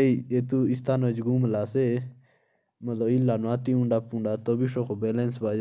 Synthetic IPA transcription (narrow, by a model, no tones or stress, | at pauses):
eiet̪uist̪ʰaːnod͡ʒɡumlaːse | mɐt̪lɐilːaːnaːt̪iũɳɖaːpũɳɖaːt̪obiʂokʰobelensbaːd͡ʒ